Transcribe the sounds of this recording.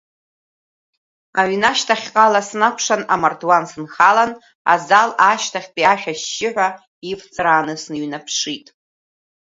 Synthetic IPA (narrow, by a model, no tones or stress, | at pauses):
aɥnaʃtʰaχʲqʼalasnakʷʰʂanamardwansɨnχalan | a̰zalaʃtʰaχʲpʼiaʃᶣaʃːɪħᶣʷa | ift͡sʼɨɾanɨsnɨɥnapʰʂitʼ